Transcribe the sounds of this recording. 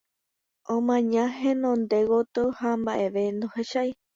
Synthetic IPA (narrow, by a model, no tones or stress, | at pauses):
õmãɲãɦẽnõnd̪e̞ɣot̪ɨhambaʔe̞ʋe̞nd̪oheʃaj